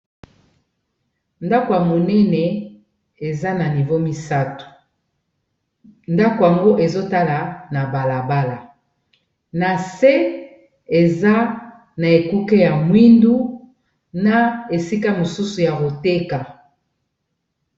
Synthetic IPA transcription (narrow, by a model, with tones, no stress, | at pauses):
nda˦ko˨ja˨mo˨nɛ˦nɛ˨ | e˨za˦na˨ni˨vo˦mi˦sa˦tu̥˨ | nda˦ko˨ja˨ŋɡo˦ʔe˨zo˦ta˦la˨na˨ba˨la˨ba˦la˨ | na˨se˦ | e˨za˦ | na˨e˨ku˦ke˦ja˨mwi˦ndu˦ | na˦e˨si˦ka˦mo˨su˦su˨ja˨ko˨te˦ka˨